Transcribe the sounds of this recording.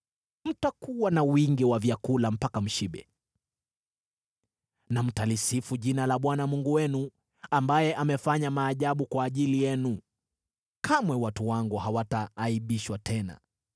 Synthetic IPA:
m̩takuwanawiŋɡiwavjakulam̩pakam̩ʃiɓɛ̰ | nam̩talisifuʄinalaɓwanamuŋɡuwɛnu | ambajɛʔamɛfaɲamaːʄaɓukwaːʄilijɛnu | kʰamwɛwatuwaŋɡuhawataːiɓiʃwatʰɛna̰

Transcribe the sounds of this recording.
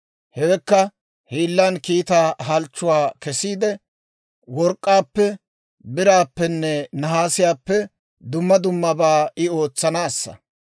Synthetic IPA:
hɛwɛkːɐ | hiːlːankiːt̪aːɦɐlt͡ʃːʊwaːkɛsiːd̪ɛ | wɔɾkʼːaːpːɛ | bɪɾaːpːɛnːɛnɐɦaːsɪjaːpːɛ | d̪ʊmːɐd̪ʊmːɐbaːɪo̞ːt͡sːɐnaːsːɐ̰

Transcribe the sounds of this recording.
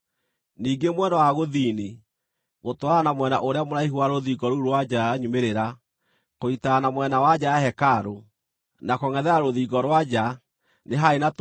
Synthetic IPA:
niːɡemwɛnɔwaɣoðiːni | ɣotwaɾanamwɛnaʔoɾeamoɾaiɦuaɾoðiɡɔɾuɾwad͡ʒaɲumeɾeɾa | koitaːnamwɛnawad͡ʒajahɛkaɾo | nakɔŋɛðɛaɾoðiːɡɔɾwad͡ʑa | neɦaenat

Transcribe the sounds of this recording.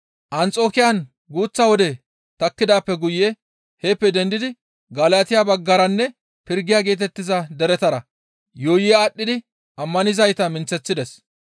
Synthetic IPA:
ʔɐnt͡sʼo̞ːkɪjɐn | ɡuːt͡sːɐwɔd̪ɛ | t̪ɐkːɪd̪aːpːɛɡʊjːɛ | heːpːɛd̪ɛnd̪ɪd̪ɪ | ɡɐlaːt̪ɪjabɐɡːɐɾɐnːɛ | pɪɾɡɪjaːɡe̞ːt̪̬ɛt̪ːɪzɐd̪ɛɾɛt̪ɐɾɐ | joːjɪjaːɗːɪd̪ɪ | ɐmːɐnɪzɐjt̪ɐmɪnt͡sːɛt͡sːɪd̪ɛs

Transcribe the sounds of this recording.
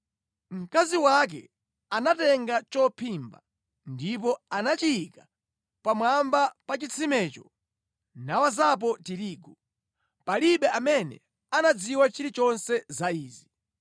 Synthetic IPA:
m̩kaziwak̬ɛ̰ | anatɛŋɡat͡ʃɔpʰimba̰ | ndip̬ɔanat͡ʃiːka | pamwambapat͡ʃit͡sʰimɛːt͡ʃɔ | nawazap̬ɔtiɾiːɡu | paliɓɛamɛnɛ̰ | anad͡ziwat͡ʃiɾit͡ʃɔnsɛzaiːzi

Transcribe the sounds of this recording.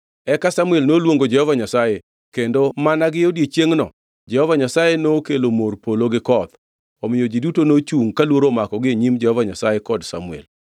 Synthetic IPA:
ɛkasamuelnolwoŋɡod͡ʒɛhɔvaɲasaje | kendomanaɡɪodjet͡ʃjeŋnɔ̰ | d͡ʒɛhɔvaɲasajenokelomorpoloɡɪkɔd̪ | ɔmɪjod͡ʒidutonot͡ʃuŋkalwoɾomakɔɡɪeɲimd͡ʒɛhɔvaɲasajekɔdsa̰mʊɛ̰l

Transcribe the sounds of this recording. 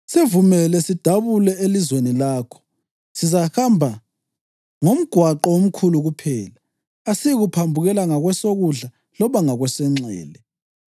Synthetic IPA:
sevumɛlɛsid̥ʱaβulɛelizwenilaːkʰɔ̥ | sizahambʱa | ŋom̩ɡ̥ʱwaǃɔom̩kʰuluɣupʰɛːlaː | sijiɣupʰambʱuɣɛlaŋaɣwɛsoɣuɮa | lɔβaŋaɣwɛsɛŋ͡ǀɛ̰ːlɛ

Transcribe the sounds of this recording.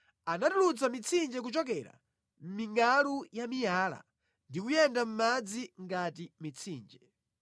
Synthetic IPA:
anatulut͡samit͡sʰind͡ʒɛk̬ut͡ʃɔkɛɾa̰ | m̩miŋɡalujamijaːla̰ | ndikujɛndam̩mad͡ziŋɡatimit͡sʰiːnd͡ʒɛ

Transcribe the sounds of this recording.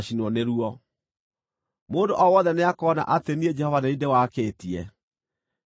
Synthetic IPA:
ʃinwɔneɾuɔ | moːndoʔɔwɔðɛneakɔːna̰ʔatenied͡ʒɛhɔvaneidewakeːtiɛ

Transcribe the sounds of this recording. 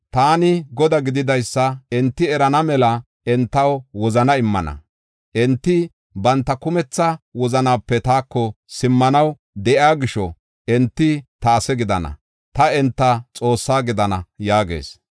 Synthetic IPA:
t̪aːnɪɡɔd̪ɐɡɪd̪ɪd̪ɐjsːɐɛnt̪ːɪɛɾɐnɐmɛlɐ | ɛnt̪ːɐwwɔzɐnɐɪmːɐ̰nɐ̰ | ʔɛnt̪ːɪ | bɐnt̪ːɐkʊmɛt͡sːɐwɔzɐnaːpːɛt̪aːkːɔsɪmːɐnɐw | d̪ɛʔɪaːɡɪʃɔ | ʔɛnt̪ːɪt̪ɐːsɛɡɪd̪ɐnɐ̰ | t̪ɐɛnt̪ːɐt͡sʼo̞ːsːaːɡɪd̪ɐnɐjaːɡḛːs

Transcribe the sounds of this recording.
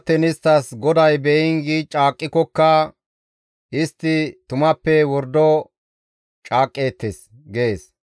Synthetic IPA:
t̪ɛnɪst̪ːɐsɡɔd̪ɐjbɛʔɪnɡit͡ʃʼaːkʼːɪkɔkːɐ | ʔɪst̪ːɪt̪ʊmɐpːɛwɔɾd̪ɔ | t͡ʃʼaːkʼːe̞ːt̪ːes | ɡeeːs

